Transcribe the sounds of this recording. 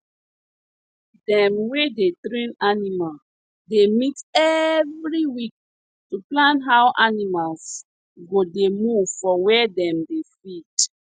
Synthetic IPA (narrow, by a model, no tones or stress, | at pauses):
dɛ̃mwedetɹĩnanimal | demitɛvɹiwik̚ | tuplãntɦawʔanimals | ɡodemuvfɔwɛdɛ̃mdefit